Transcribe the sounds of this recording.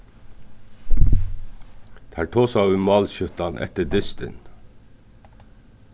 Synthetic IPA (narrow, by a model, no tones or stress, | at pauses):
t̪ʰæːʈʰoːsɑʉmɑːlçʏt̪ɑnʔɛ̰t̪əd̪ɪst̪ə̰n